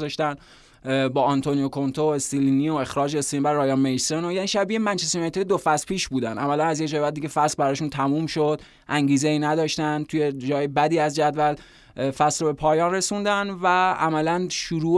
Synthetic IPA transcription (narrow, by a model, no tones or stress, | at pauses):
zɒʃt̪æn | bɒːɒnt̪ʰoniokʰo̞nt̪ʰoest̪ilinioe̞xɾɒːd͡ʒest̪iibæɾːɒːjɒnmejsonojæːniːʃæbiemænt͡ʃest̪enɒjt̪ʰejed̪ofæspʰiːʃbuːd̪ænʔæmælænæzjecd͡ʒɒːjebæd̪ːiɡʲʰefæslbæɾɒːʃunt̪ʰæmuːmʃod̪̥ | ʔæŋɟiːzeiːnæd̪ɒːʃt̪ænt̪ʰujed͡ʒɒːjebæd̪iːæzd͡ʒæd̪væl | fæsɾobe̞pʰɒːjɒːnre̞sund̪ænvææmælænʃuɾuː